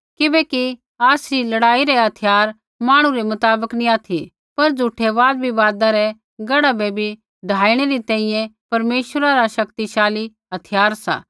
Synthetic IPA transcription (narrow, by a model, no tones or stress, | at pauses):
kɪbɛki | aːsɾilɐɽaːiɾɛɦɐt̪ʰɪjaːɾ | maːɽ̃ũɾemɐt̪aːbəknĩaːt̪ʰi | pɐɾd͡zʱuʈʰeʋaːd̪bʱiʋaːd̪aɾɛ | ɡɐɽabebʱi | ɖʱaːiɽ̃eɾit̪ɛ̃ːĩjɛ̃pɐɾmeːʃwəɾaɾaʃɐkt̪iʃaːli | ɦɐt̪ʰɪjaːɾsa̰ː